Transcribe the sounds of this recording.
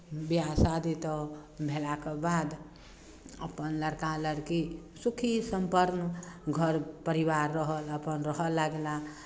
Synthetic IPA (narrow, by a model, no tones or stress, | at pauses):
biasad̪et̪ɔbʱelakebad̪ | ə̰pənləɽkaləɾkisukʰisəmpəɾnɡʱəɾpəɾibaɾːəɦələpənɾəɦəlːaɡela